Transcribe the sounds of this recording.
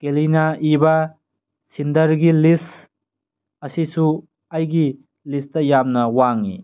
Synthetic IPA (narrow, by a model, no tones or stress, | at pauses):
kelinaibɐ | sindɐɾɡilis | ɐsisu | ɐjɡi | listɐjamnɐwaŋḭ